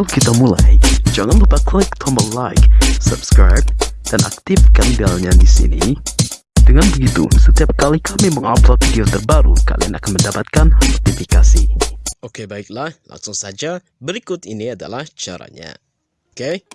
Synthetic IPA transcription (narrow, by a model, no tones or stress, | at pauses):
lokit̪amula̰jd͡ʒaŋanlupaklɪk̚t̪ʰɔməlajksɔ̰bskɾa̰jb̚d̥anʔa̰k̚t̪ifkandialalɲadisḭnḭ | dəŋanbəɡit̪ṵsət̪iap̚kalikʰamiməŋa̰plɔt̪̚vidiot̪ərbaɾṵka̰lḭa̰nakanməndapat̪̚kanhat̪ifikasiokebaɪk̚lahla̰ŋsʊŋsad͡ʒa | bəɾikʊt̪iniada̰laht͡ʃa̰ɾa̰ɲa̰ | oke